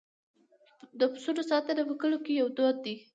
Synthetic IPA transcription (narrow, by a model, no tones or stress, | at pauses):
d̪əpə̥soɾosɑt̪anapəkəlokejawd̪od̪̚d̪i